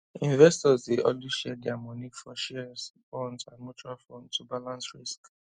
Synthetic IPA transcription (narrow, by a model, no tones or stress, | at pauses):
ĩnvɛstɔzdeʔɔnlliʃɛdɛamɔnifɔʃɛsfɔ̃ndsãnmut͡ʃualfɔ̃ndtubalãnsɹisk